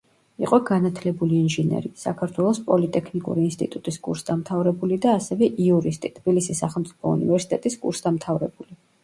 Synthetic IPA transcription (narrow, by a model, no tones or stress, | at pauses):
ḭqʼɔɡanat̪ʰlɛbuliːnʒinɛ̰ɾisa̰kʰaɾt̪ʰwɛlˠɔspʼɔlit̪ʼɛkʰnikʼṵɾiːnst̪ʼit̪ʼut̪ʼiskʼṵɾsd̪amt̪ʰavɾɛbulid̪aːsɛvɛʔiuɾist̪ʼit̪ʰb̥ilisisːaχɛlˠmt̪sʼi̥pʰɔṵnivɛɾsi̥t̪ʼɛt̪ʼiskʼṵɾsd̪amt̪ʰavɾɛbuli